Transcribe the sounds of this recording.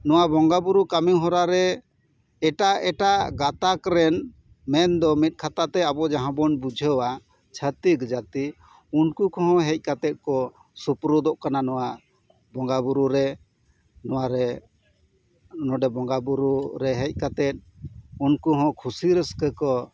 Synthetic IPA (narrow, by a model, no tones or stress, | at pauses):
nɔwabɔŋɡabuɾukamiɦɔ̃ɾaɾɛ | ɛʈaɛʈaɡat̪akɾɛn | mɛnd̪ɔmit̪̚kʰat̪at̪ɛabɔd͡ʒaɦãbɔnbud͡ʒʱəwa | t͡ʃʰət̪iɡd͡ʒat̪i | unkukɔɦɔ̃ɦɛc̚ˀkat̪ɛt̪̚kɔ | supɾud̪ɔʔkananɔwa | bɔŋɡabuɾuɾɛ | nɔwaɾɛ | nɔ̃ɖɛbɔŋɡabuɾuɾɛɦɛc̚ˀkat̪ɛt̪̚unkuɦɔ̃kʰusiɾəskəkɔ